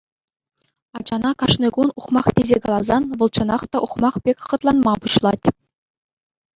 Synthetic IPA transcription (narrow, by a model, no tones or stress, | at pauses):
ɑd͡ʑɑnɑkɑʂnɤɡunuχmɑχtʲezʲekɑlˠɑzɑnʋɤ̆lˠt͡ɕɤ̆nɑχt̪ɑʔuχmɑχpʲekʲχɤ̆t̪lˠɑnmɑbuɕlˠɑtʲ